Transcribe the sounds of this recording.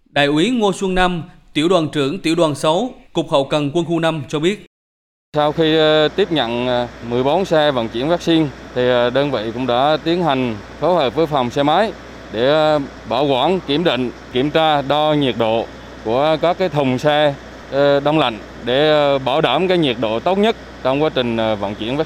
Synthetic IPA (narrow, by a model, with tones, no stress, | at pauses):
ɗa̰ː˧˨jʔwi˨˦ŋo˧swə˧ŋna˧mt̪i˧˩əwɗwaː˨˩nt͡ɕɨ˧˩əŋt̪i˧˩əwɗwaː˨˩nsə˨˦wkʊ˨˩k͡p̚hə̰˧˨wkə˨˩nkwə˧nxu˧na˧mt͡ɕɔ˧ɓi˦˥ət̚ | sa˧wxi˧t̪i˦˥əp̚ɲə̰˧˨nmɨ˨˩əjɓo˨˦nsɛ˧və̰˧˨nt͡ɕḭ˧˩˥ənvaː˦˥k̚si˧nt̪ʰi˨˩ɗəː˧nvḭ˧˨jkʊ̰˧˥ŋ͡mɗa̰ː˧˥t̪i˨˦ənha˨˩jŋ̟ | fo˨˦jhəː˨˩p̚vəː˨˦jfa˨˩wŋ͡msɛ˧maː˨˦j | ɗe˧˩ | ɓaː˧˩wkwaː˧˩nki˧˩əmɗḭ̈˧˨ŋ̟ki˧˩əmt͡ɕaː˧ɗɔ˧ɲi˨˩ət̚ɗo̰˧˨ | ku˧˩əkɔ˨˦kaː˨˦jt̪ʰə˨˩ŋ͡msɛ˧ | ɗa˧wŋ͡mla̰˧˨jŋ̟ | ɗe˧˩ɓaː˧˩wɗaː˧˩mkaː˨˦jɲi˨˩əɗo̰˧˨t̪ə˦˥wt̚ɲə˦˥t̚ | t͡ɕɔ˧wŋ͡mkwaː˨˦˥t͡ɕï˨˩ŋ̟və̰˧˨nt͡ɕḭ˧˩ənvaː˦˥